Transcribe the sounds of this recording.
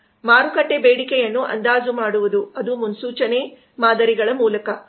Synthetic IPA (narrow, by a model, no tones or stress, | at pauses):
maːɾukɐʈːebeːɽikɛjɐnːuʔɐ̰nd̪aːzumaːɽuʋud̪uɐd̪umunsuːt͡ʃɐne | maːd̪ɐɾiɡɐɭɐmuːlɐkɐ